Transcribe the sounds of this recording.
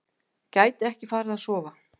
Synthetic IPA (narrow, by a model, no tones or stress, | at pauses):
caːjt̪ɪɛhcɪfaːɾɪðaðsɔːva